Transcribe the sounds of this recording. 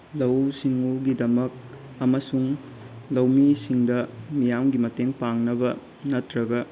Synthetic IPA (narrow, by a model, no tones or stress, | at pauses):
lɐwsiŋuɡidɐmɐk̚ | ɐmɐsuŋ | lɐwmisiŋdɐmijamɡimɐteŋpaŋnɐbɐ | nɐtɾɐɡɐ